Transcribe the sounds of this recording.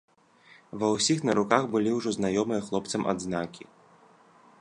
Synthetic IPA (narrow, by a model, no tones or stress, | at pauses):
vɐwsʲixnɐɾukaɣbɨlʲiwʐɔznajɔmɨjɐxlˠɔp̚t̪sɐmʔa̰d̪znakʲḭ